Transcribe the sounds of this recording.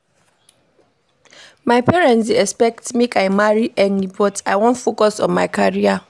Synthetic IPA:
maɪpʰɛɹɛ̃ntsɛkspɛk̚tmikaɪmaɹiʔɛnibɔtaɪwɔ̃nfokɔsɔ̰̃nmaɪkʰaɹia

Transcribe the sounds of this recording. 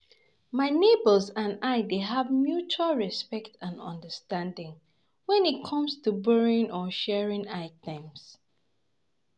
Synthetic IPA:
maɪnebəlˠzãnaɪdeɦavmjut͡ʃualˠɹispɛktʰãnɔ̰̃ndəstãndɪ̃ŋ | wɛ̃nit̚kʰʌ̃mstubɜɹɪ̃ŋɔʃɛɹɪ̃ŋaɪtɛ̃ms

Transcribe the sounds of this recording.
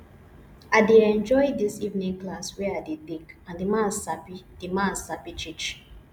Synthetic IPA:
aɪdeɛ̃nd͡ʒɔjdisivnĩŋklaswɛadedĩkãndimãnapid̥imãnsapit͡ʃit͡ʃ

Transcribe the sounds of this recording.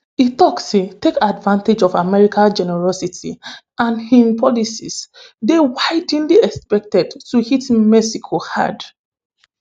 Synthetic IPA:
itɔksetekadvãnted͡ʒɔvamɛɹikʰad͡ʒɛnɛɹɔsitʰḭ | ãnhĩmpʰɔlisḭsdewaɪdĩnliɛkspɛk̚tɛdtuhitmɛsikʰoha̰d

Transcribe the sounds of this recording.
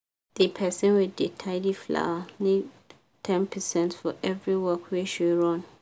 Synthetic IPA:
d̥ipʰɛsɪ̃nwɪdetʰaɪdifla̰wanẽ | tʰɛ̃npʰɛsɛ̃ntfɔʔɛvɹiwɔkweʃuɹɔ̃n

